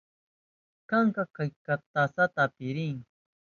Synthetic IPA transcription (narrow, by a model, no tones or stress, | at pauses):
kaŋkakajkat̪asat̪apiɾiŋ